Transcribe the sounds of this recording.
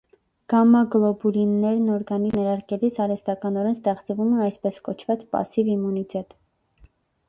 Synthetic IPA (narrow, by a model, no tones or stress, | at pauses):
ɡ̥ɑmɑɡlɔbulinːɛɾnɔɾɡɑninɛɾɑɾkɛlisɑɾɛst̪ɑkɑnɔɾɛnst̪ɛχt͡svumɛɑjspɛskɔt͡ʃʰvɑt͡spɑ̰sivimːunit̪ɛt̪